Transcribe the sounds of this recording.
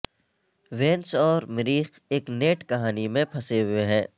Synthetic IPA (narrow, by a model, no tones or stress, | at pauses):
ʋẽːnsɔːɾmɪɾiːxeːkneːʈkɐɦaːnimẽpʰɐseɦʊeɦɛ̃ː